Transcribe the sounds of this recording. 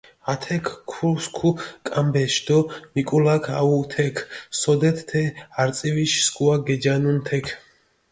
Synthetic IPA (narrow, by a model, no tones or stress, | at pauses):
at̪ʰɛkʰkʰuskʰukʼambɛʃd̪ɔmikʼulakʰa̰ut̪ʰɛkʰsɔd̪ɛt̪ʰt̪ʰɛaɾt̪sʼiviʃsɡuaɡɛd͡ʒanunt̪ʰɛkʰ